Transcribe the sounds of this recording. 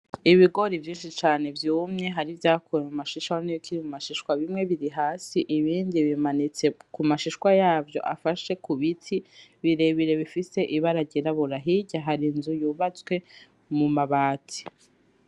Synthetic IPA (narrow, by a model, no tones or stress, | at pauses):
iβiɡo̞ɾivjiːnʃit͡ʃaːne̞vjuːmɲe̞ɦaɾivjaːkʰuɾemumaʃiʃaonijokʰiɾimumaʃiʃwaβimŋe̞βiɾiɦaːsiʔiβiːndiβimanit͡sekumaʃiʃwajaːvjo̞̰ʔa̰faʃe̞kuβitʰiβiɾe̞βiɾe̞βifise̞ʔiβaɾaɟiɾaβuɾaɦiɟaɦaɾinzujuːβat͡swe̞ | mumaβaːtʰi̥